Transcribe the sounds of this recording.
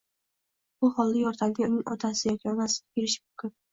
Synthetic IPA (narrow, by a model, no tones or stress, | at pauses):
b̥ʊhɒlˠːajɒɾt̪ʰanɡ̪ʲaʊnɪŋʔɒt̪ʰasɪjɒkʲʰiɒnasɪ̥ɡʲabeɾɪʃɪ̥mʊmkʰʲʊn